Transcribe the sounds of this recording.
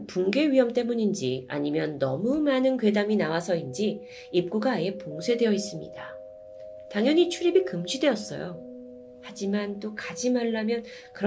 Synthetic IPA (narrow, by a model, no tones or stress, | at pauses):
puŋɡe̞ɥiɦʌmt͈e̞muɲind͡ʑia̰ɲimjʌnːʌmumanɯnkwe̞daminawasʰʌind͡ʑi | ip̚k͈uɡaːje̞poŋsʰwe̞dwe̞jʌis͈ɯmɲḭda | taŋjʌɲit͡ɕʰuɾibikɯmd͡ʑʰide̞ʌs͈ʌ̰jo̰ | had͡ʑimant͈okad͡ʑimaɭːamjʌn | kɯɾ